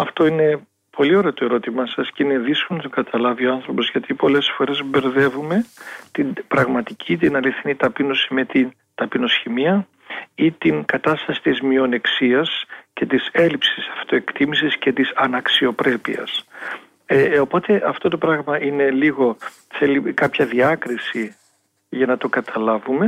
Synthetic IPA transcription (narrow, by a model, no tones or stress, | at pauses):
ɐft̪o̞ine̞ | pʰo̞lio̞ɾeot̪o̞e̞ɾo̞t̪imɐsɐsceineðiskonɐt̪oɡ̥ɐt̪ʰɐlɐvioɐnθɾo̞po̞zʝɐt̪ipo̞le̞sfo̞ɾe̞zbe̞ɾðe̞vume̞t̪inbɾɐɣmɐt̪icʰit̪inɐliθinit̪ɐpinosimet̪in | t̪ɐpino̞sçimiɐ | it̪iŋkɐt̪ɐst̪ɐsi̥t̪izmio̞neksiɐsce̞t̪ise̞lipsisɐ̥ft̪o̞e̞kt̪imisisce̞t̪isɐnɐksio̞pɾe̞pḭɐ̰s | eopo̞t̪e̞ʔɐft̪o̞t̪o̞pɾɐɣmɐʔine̞liɣo̞ | θe̞likɐpçɐðiɐkɾisi | ʝɐnɐt̪o̞kɐt̪ʰɐlɐvume̞